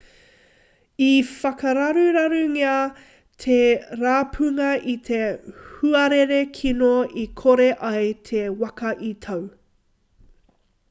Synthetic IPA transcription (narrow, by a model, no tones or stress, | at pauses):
ifɐkɐɾɐɾuɾɐɾuŋeɐ | t̪ʰeɾaːpʰʉŋɐit̪ʰe̞huɐɾeɾekʰinoikʰoɾeʔɐjt̪ʰewɐkɐʔit̪ʰɐw